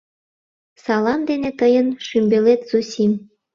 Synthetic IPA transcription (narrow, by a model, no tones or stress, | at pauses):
sɑlɑnd̪enet̪əjənʃymbelet̪susʲim